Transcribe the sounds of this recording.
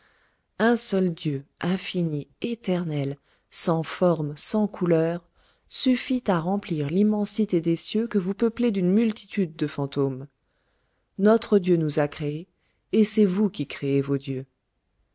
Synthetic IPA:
ɛ̃sœld̪jøʔɛ̃finiet̪ɛʁnɛl | sɑ̃fɔʁmsɑ̃kʰulœːʁ | syfit̪aʁɑ̃pliʁlimɑ̃sit̪ed̪esjøkəvupəpled̪ynmylt̪ʰi̥t̪ʰyd̪ːəfɑ̃t̪om | nɔt̪χəd̪jønuzakχee | esɛvukʲikχeevod̪jø

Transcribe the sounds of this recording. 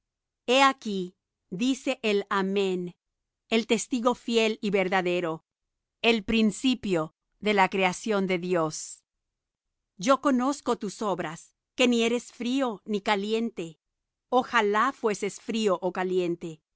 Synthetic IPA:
e̞aki | d̪ise̞ʔelamẽn | elt̪e̞st̪iɣo̞fje̞liβe̞ɾðaðe̞ɾo̞ | e̞lpɾinsipjo̞ | ðe̞lakɾe̞asjo̞nd̪e̞ðjo̞s | d͡ʒo̞ko̞no̞sko̞t̪uso̞βɾas | ke̞nie̞ɾe̞sfɾio̞nikalje̞nt̪e̞ | oxalafwe̞se̞sfɾioʔokaljent̪e̞

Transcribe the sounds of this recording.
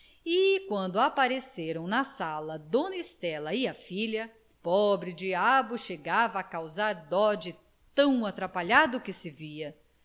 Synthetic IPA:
ɪkwɐ̃nd̪ʊapaɾeseɾɐ̃w̃nɐsalɐd̪õnist̪ɛlɐɪɐfiʎɐ | pɔbɾɪd͡ʒiabʊʃeɡavɐːkawzaɾd̪ɔd͡ʒɪ | t̪ɐ̃w̃at̪ɾapaʎad̪ʊkɪsɪviɐ

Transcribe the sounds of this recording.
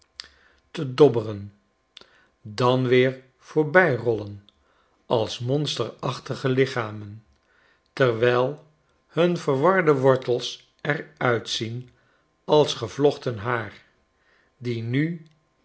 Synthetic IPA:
tədɔbərən | dɑnʋɪːɹ | v̥oːɹbɛjrɔlən | ʔɑlˠsmɔnstəɹɑχtəχəlɪχaːmən | təɹʋɛjlˠ | hɵnvəɹʋɑɹdəʋɔɹtəlˠs | ɛɹœɥtsin | ɑlˠsχəv̥lɔχtənɦaːɹ | diny

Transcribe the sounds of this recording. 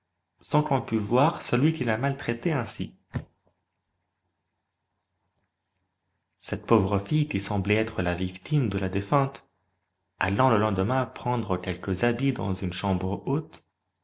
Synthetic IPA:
sɑ̃kɔ̃pyvwaʁsəlɥikʲilamalt̪χet̪eɛ̃sḭ | sɛt̪povʁəfijkʲisɑ̃blɛɛt̪χəlavikt̪imd̪əlad̪efɛ̃t̪ | a̰lɑ̃ləlɑ̃d̪əmɛ̃pχɑ̃d̪ʁəkʲɛlkəzabid̪ɑ̰̃zynʃɑ̃bʁəot̪

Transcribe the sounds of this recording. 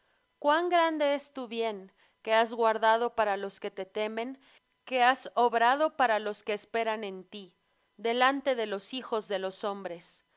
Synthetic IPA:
kwaŋɡɾand̪e̞est̪uβje̞ŋ | ke̞azɣwaɾðað̞o̞paɾalo̞ske̞t̪e̞t̪e̞mẽ̞ŋ | ke̞aso̞βɾað̞o̞paɾalo̞skeːspe̞ɾane̞nt̪i | ðe̞lant̪e̞ðe̞lo̞sixo̞zðe̞lo̞so̞mbɾe̞s

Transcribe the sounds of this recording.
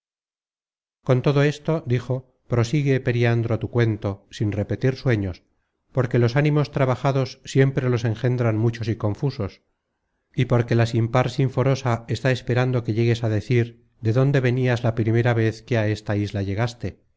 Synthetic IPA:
ko̞nt̪o̞ðo̞e̞st̪od̪ixo̞ | pɾo̞siɣe̞pe̞ɾiand̪ɾot̪ukwe̞nt̪o̞sinre̞pe̞t̪iɾswe̞ɲo̞s | po̞ɾke̞lo̞sanĩmo̞st̪ɾaβaxaðo̞sːje̞mpɾe̞lo̞se̞ŋxe̞nd̪ɾanmut͡ʃo̞siko̞ɱfuso̞s | ipo̞ɾke̞lasimpaɾsiɱfo̞ɾo̞sae̞st̪aespe̞ɾand̪oke̞ʝe̞ɣe̞saðe̞θiɾ | ðe̞ðo̞nd̪e̞β̞e̞niazlapɾime̞ɾaβe̞θke̞ae̞st̪aizlaʝe̞ɣast̪e̞

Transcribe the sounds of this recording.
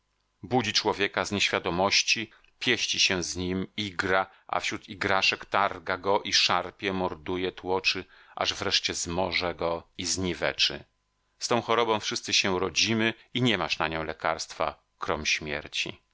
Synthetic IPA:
bud͡ʑit͡ʂwɔvʲjɛkazɲeɕfʲjad̪ɔmɔɕt͡ɕi | pʲjɛɕt͡ɕiɕɛzɲimiɡɾa | ʔa̰fɕɾut̪iɡɾaʂɛkt̪aɾɡaɡɔʔiʂaɾpʲjɛmɔɾd̪ujɛt̪wɔt͡ʂɘ | ʔa̰ʐvɾɛʂt͡ɕɛzmɔʐɛɡɔizɲivɛt͡ʂɘ̰ | st̪ɔ̃w̃xɔɾɔbɔ̃w̃fʂɘst̪sɘɕɛɾɔd͡ʑimɘ | iɲɛmaʂnaɲɔ̃w̃lɛka̰ɾst̪fa̰ | kɾɔmɕmʲjɛ̰ɾt͡ɕḭ

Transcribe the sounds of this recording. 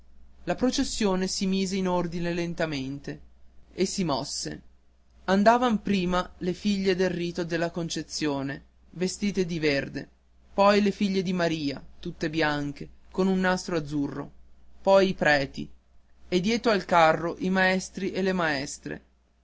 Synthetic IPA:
lapɾot͡ʃesːjoːnesimiːzeinord̪inelent̪ament̪eesːimɔsːḛ | and̪aːvampɾiːmalefiʎːed̪elriːt̪od̪elːakont͡ʃet̪sːjoːne | vest̪iːt̪ed̪iverd̪ḛ | pɔjlefiʎːed̪imaɾiːa̰t̪ut̪ːebjaŋk̟ekonunːast̪ɾoad̪zːurːo̰pɔjipɾɛːt̪ḭ | ed̪jɛːt̪ɾoalkarːoʔimaɛst̪ɾiʔelemaɛst̪ɾḛ

